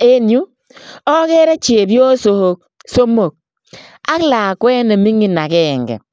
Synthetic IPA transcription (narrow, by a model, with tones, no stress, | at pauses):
e˦nju˦ | ɔ˦kɛ˦ɾe˦t͡ʃe˨bjo˦so˦ho˦k̚ | so˦mo˨k̚ | a˦kla˨kwɛ˦ne˨mi˦ŋi˨na˨kɛ˦˨ŋɡɛ̰˨